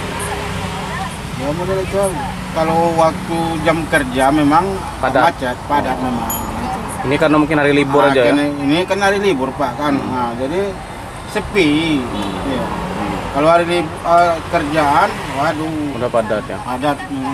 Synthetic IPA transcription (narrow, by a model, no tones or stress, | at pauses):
jamodalat͡ʃual | kalowak̚t̪ud͡ʒamkərd͡ʒamemaŋ | padaat͡ʃat̪̚padat̪̚namaan | inikarnamuŋkɪnaɾilibʊɾad͡ʒaaninikanaɾilibʊrpakanəd͡ʒadi | səpi | jakaloaɾilibəkərd͡ʒaːn | waduudapadat̪ja̰padat̪̚